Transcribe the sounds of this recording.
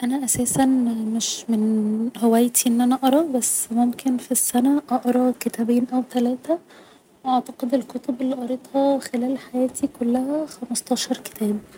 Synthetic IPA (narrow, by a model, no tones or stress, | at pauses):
ʔænæʔæsæːsænmeʃmenhowæjt̪iʔenːʔænæʔɑɾˤɑbæsːmomkʰenfisːænæʔɑʔɑɾˤɑket̪æbeːnʔæwt̪ælæːt̪æ | wʔɑʕt̪ɑqed̪elkot̪obelːiʔɑɾˤet̪ˤhɑxelæːlħajæːt̪ikolːæhæxæmɑst̪ˤɑːʃɑɾˤke̥t̪ʰæːb̚